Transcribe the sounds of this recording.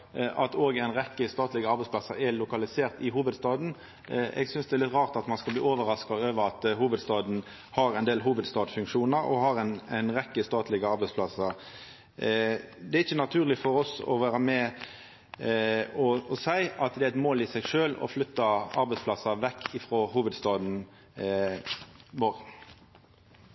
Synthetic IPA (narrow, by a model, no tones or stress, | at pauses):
ʔɑt̪oːɡæɪnʁɛkːəst̪ɑːt̪lɪɡəɑɾbɛɪsplɑsəɛlʊkɑlɪseːʁt̪ɪɦuːʋəd̪st̪ɑːd̪n̩ | ʔɛ̰ɡsʏnsd̪ɛæɾlɪt̪ʁɑːʁt̪ɑt̪mɑnskɑblḭːoːʋəɾɑskɑøːʋəɾɑt̪huːʋəd̪st̪ɑːd̪n̩ | hɑɾæɛɪnd̪eːlɦuːʋəd̪st̪ɑːd̪fʉŋkʂuːnəɾɔ̰ɦɑɾɛnæɪnʁɛkːəst̪ɑːt̪ʰlɪɡəɑɾbɛɪspʰlɑsəɾ | d̪ɛæɾɪçːənɑt̪ʰʉːʁlɪfɔɾɔsɔ̰ʋæːʁəmɛ | ɔɔsæɪɑt̪d̪ɛæɪt̪moːlɪsɛɡʂøːlɔ̰flʏt̪ːɑɑɾbɛɪspʰlɑsːɑʋɛkːɪfɾoːhuːʋəd̪st̪ɑːd̪n̩ | ʋoːɾ